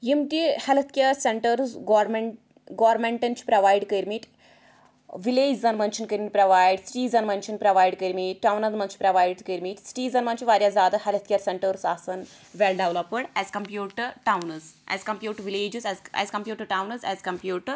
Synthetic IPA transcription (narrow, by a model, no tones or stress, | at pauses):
jimtihelt̪ʰkʲeːɾseɳʈəɾsɡoɾm | ɡaːɾmẽɳʈɐnt͡ʃʰi̥pɾɐʋaːjɖkəɾmiʈ | ʋileːd͡ʒzɐnmɐnt͡ʃʰinkəɾmiʈpɾɐʋaːjɖsʈiːzɐnmɐnt͡ʃʰinpɾɐʋaːjɖkəɾmiʈːawnɐzmɐnt͡ʃʰi̥pɾɐʋaːjɖkəɾmiʈsʈiːzɐnmɐnt͡ʃʰiʋaːɾʲjazaːd̪ɐɦelət̪ʰkʲeːɾseɳʈəɾsaːsɐn | ʋelɖeʋlɐpəɽɛːzkɐmpjuːʈʈawnɐzɛ̰zkɐmpjuːʈʋileːd͡ʒizɛzɛ̰ːzkɐmpjuːʈəɾʈawnɐzɛːzkɐmpjuːʈəɾ